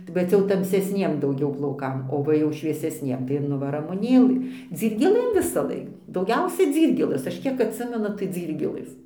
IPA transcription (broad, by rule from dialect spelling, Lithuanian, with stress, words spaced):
bʲɛt ˈt͡sʲɛ jɛʊ tɐmʲsʲɛsʲˈnʲiɛm dɐʊˈɡʲɛʊ plˠɐʊˈkɐm oː ˈʋɐ jɛʊ ʃʲʋʲiɛsʲɛsʲˈnʲiɛm tɐɪ ɪr ˈnʊ ʋɐ rɐmʊˈnʲeːlˠɨ d͡zʲiːrʲɡʲeːˈlˠɘm ʋʲɪsɐˈlˠɐɪk dɐʊˈɡʲɛʊsʲɛ ˈd͡zʲiːrʲɡʲeːlˠɘs ɐʃ ˈkʲiɛk ɐtʲˈsʲɪmʲɛnʊ tɐɪ ˈd͡zʲiːrʲɡʲeːlˠɘs